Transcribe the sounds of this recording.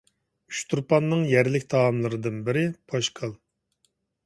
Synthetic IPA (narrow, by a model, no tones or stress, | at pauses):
y̥ʃt̪ʰuɾpɑnːɨŋjɛɾlɪkʲt̪ʰɑmlˠɨɾɨd̪ɨnbɪɾɪpʰoʃkʰɑlˠ